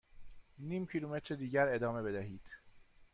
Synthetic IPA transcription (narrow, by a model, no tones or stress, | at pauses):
niːmcʰilumet̪ʰɾed̪iːɟæɾe̞d̪ɒːme̞be̞d̪æɦiːd̪̥